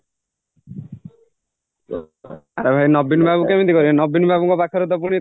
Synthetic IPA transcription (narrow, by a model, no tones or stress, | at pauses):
aɾebʱajnɔbinbʱabukɛmint̪ikɔɾinɔbinbʱabɔŋkɔpakʰːaɾɔd̪ɔpuɽ̃i